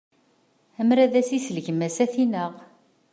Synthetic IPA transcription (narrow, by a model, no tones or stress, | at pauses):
æmɾæðæsisələʝəmæsæθinəʁ